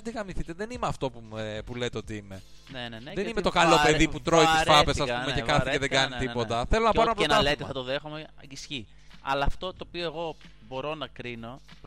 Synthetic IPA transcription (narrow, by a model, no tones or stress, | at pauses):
ɐd̪iɣɐmiθit̪eðe̞nimeɐft̪o̞pupulet̪eo̞t̪iime̞ | neneðenimet̪o̞kɐlo̞pe̞ðiputt̪ɾoit̪isfɐpesɐsspumecekɐθiceðeɡɐnit̪ipo̞t̪ɐθe̞lo̞nɐppɐɾonɐpnlet̪eθɐt̪oðexumeɐisçi | ɐ̰lɐːft̪o̞t̪oːpioe̞ɣo̞ | bo̞ɾo̞nɐkɾino̞